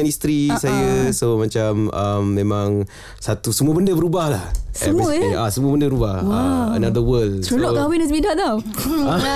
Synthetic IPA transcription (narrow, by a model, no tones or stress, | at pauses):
anist̪ɾisajəsomat͡ʃamamːẽmãŋ | sat̪usəmuəbəndəbəɾubahlahsɛə̰muiasəmuəbəndəbəɾubahwaə̰nad̪əwəlssulɔʔk̪awinɛsbidaʔt̪aw | a